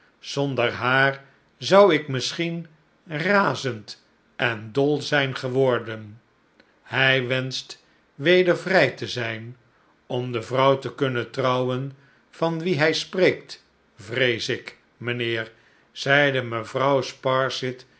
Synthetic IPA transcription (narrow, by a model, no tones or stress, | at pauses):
z̥ɔndəɹɦaːɹ | zʌwɪkmɪsχin | raːzənt | ʔɛndɔlˠzɛjnχəʋɔɹdən | hɛjʋɛnst | ʋejdəɹvrɛjtəzɛjn | ɔmdəvrʌwtəkɵnətrɑwən | v̥ɑnʋiɦɛjspreːk̚t | vrejsɪk | mənɪːɹ | z̥ɛjdəməvrʌwspɑɹsɪt